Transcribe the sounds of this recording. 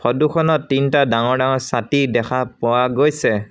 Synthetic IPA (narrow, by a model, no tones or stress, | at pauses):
pʰɔdukʰɔnɔtːintadaŋɔɹɖaŋɔɹsatidɛkʰapɔwaɡojsɛ